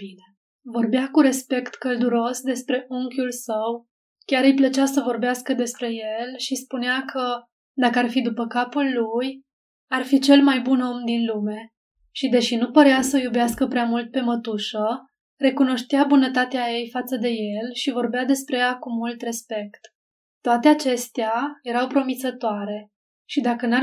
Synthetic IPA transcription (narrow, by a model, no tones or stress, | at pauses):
bine | vo̞rbeakuɾe̞spe̞kt̪kəld̪uɾo̞sd̪e̞spɾe̞ʔuŋkʲulsəw | kʲaɾɨjplət͡ʃasəvo̞rbeaskəd̪e̞spɾe̞je̞lʃispuneakʰə | d̪akəarfid̪upəkapulːuj | arfit͡ʃe̞lmajbuno̞md̪inlume̞ | ʃid̪e̞ʃinupəɾeasəjubeaskəpɾeamult̪̚pe̞mət̪uʃə | re̞kuno̞ʃt̪eabunət̪at̪eaje̞jfat̪səd̪e̞je̞lʃivo̞rbead̪e̞spɾe̞jakumult̪re̞spe̞kt̪ː | oat̪e̞at͡ʃe̞st̪eaje̞ɾawpɾo̞mit̪sət̪oaɾe̞ | ʃid̪akəna